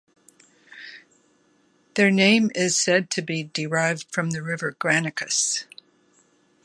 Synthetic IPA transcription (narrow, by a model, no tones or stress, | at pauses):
ðə˞nẽɪ̃mɪz̥sɛd̚tʰɨbidɨɹaɪvd̥fɹʌ̃mðɨɹɪvə˞ɡɹænɨkʰɨs